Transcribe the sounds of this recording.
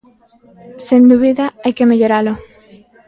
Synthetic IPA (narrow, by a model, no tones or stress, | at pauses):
send̪uβiðaajkemeʎoɾalo